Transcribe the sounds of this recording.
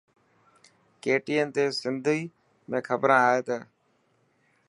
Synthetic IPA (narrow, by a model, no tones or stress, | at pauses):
keːʈiːənt̪eːsɪnd̪ʱiː | mẽːkʰəbɾãːaːɦeːt̪ə